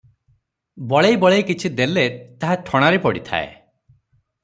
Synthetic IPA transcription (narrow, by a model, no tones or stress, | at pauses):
bɔɭejbɔɭejkit͡ʃʰid̪elet̪aɦaʈʰɔɽ̃aɾepɔɽit̪ʰa̰ḛ